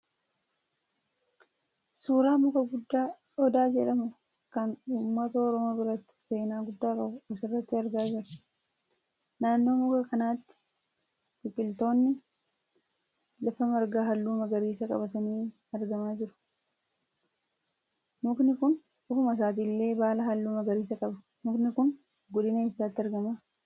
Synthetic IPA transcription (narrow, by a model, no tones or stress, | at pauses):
suːɾaːmʊkɐɡʊd̪ːaː | ɔd̪aːd͡ʒɛᶑɐmʊ | kɐnuːmːɐt̪ɐɔɾɔmoːbɪɾɐt̪ːɪ̥se̞ːnaːɡʊd̪ːaːkʼɐwʊɐsɪrːɐt̪ːɪɐɾɡaːd͡ʒɪɾ | naːnːo̞ːmʊkɐkɐnaːt̪ːɪ̥ | kɪkʼːɪlt̪o̞ːnːɪ | lɐfɐmɐɾɡaːɦɐlːuːmɐɡɐɾiːsɐkʼɐ̰bɐt̪ɐniː | ɐɾɡɐmaːd͡ʒɪɾʊ̥ | nʊknɪkʊn | ʊkʊmɐs̬aːt̪̬iːlːe̞ːbaːlɐɦɐlːuːmɐɡɐɾiːsɐkʼɐbɐ | nʊknɪkʊn | ɡɔd̪ɪnɐɪsːaːt̪ːɪɐɾɡɐmaː